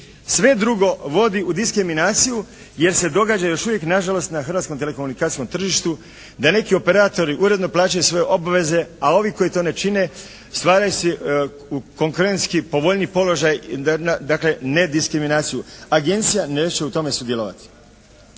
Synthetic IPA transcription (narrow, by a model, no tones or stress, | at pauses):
sʋe̞d̪ɾuɡo̞ʋo̞d̪iʔud̪iskɾiminaːt̪siju | je̞ɾse̞d̪o̞ɡaːd͡ʑajo̞ʃuvʋje̞knaʒalo̞st̪naxɾrʋat̪ko̞mt̪e̞leko̞munikaːt̪ijko̞mt̪r̩ʒiʃt̪u | d̪ane̞kio̞pe̞ɾaːt̪o̞ɾiʔuɾe̞d̪noplˠaːt͡ʃajusʋo̞jeʔo̞baʋe̞ze̞ao̞ʋiko̞jit̪o̞ne̞t͡ʃine̞ | st̪ʋaːɾajuse | uko̞ŋkuɾe̞nt̪skipo̞ʋo̞ʎnipo̞lo̞ʒajnad̪akle̞ne̞d̪iskɾiminaːt̪sijuaɡe̞nt̪sijaneːt͡ɕe̞ut̪o̞me̞sud̪je̞loːʋa̰t̪i̥